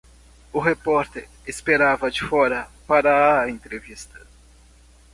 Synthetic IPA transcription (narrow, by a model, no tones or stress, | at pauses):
ʊɦepɔɾt̪eɾ | espeɾavɐd͡ʒɪfɔɾɐpaɾɐːẽnt̪ɾevist̪ɐ̥